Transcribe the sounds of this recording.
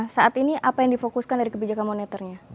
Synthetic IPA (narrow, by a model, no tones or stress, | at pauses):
saʔat̪iniʔapajaŋdifokuskandaɾikəbid͡ʒakanmonɛt̪ərɲa